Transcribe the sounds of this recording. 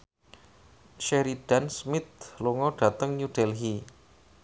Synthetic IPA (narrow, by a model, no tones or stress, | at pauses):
ʃeɾid̥ansmɪt̪̚loŋɔɖ̥a̤t̪əŋɲuɖ̥ɛlɦi